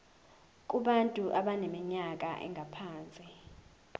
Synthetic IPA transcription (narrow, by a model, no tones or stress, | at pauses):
k̬ʼuɓantʼuʔaɓanemiɲak̬ʼaʔɛ̰ŋɡʱapʰaːnt͡sʼi